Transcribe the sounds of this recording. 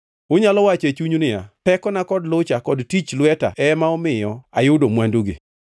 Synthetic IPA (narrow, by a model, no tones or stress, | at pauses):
ʊɲalɔwat͡ʃet͡ʃuɲunɪja̰pɛkɔnakɔdlʊt͡ʃakɔdtit͡ʃlwɛta̰ʔɛmaɔmɪjɔajʊdomwanduɡḭ